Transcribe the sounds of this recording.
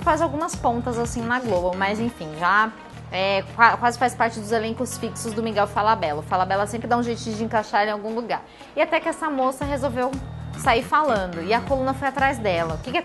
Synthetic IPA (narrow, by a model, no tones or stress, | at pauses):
fazawɡũmɐspõnt̪ɐzasĩnɐɡlobɐmɐzẽfĩʒa | ɛkakwazɪfajspaɾt͡ʃɪd̪ʊzelẽŋkʊsfiksʊzd̪ʊmiɡɛwfalabɛlɐfalabɛlɐsẽmpɾɪd̪ãũʒejt͡ʃ̪ʊiʊd͡ʒɪẽŋkaʃaɾẽawɡũluɡaɾ | ɪat̪ɛkɪɛsɐmosɐɦezowvewsaiɾfalɐ̃nd̪ʊɪɐkolũnɐfojat̪ɾajzd̪ɛlɐʊkɪkɛ